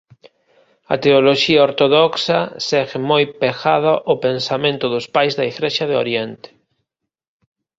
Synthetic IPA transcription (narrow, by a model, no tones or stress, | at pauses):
ɐ̰t̪eoloʃiɐoɾt̪oðɔksɐsɛɣemojpexaðaʔopensamẽnt̪ʊðʊspajzðɐeɣɾeʃɐðeo̰ɾjent̪ɪ̥